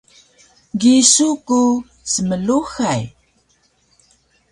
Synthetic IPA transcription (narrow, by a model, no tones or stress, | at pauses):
ɡisuku | səməluxaj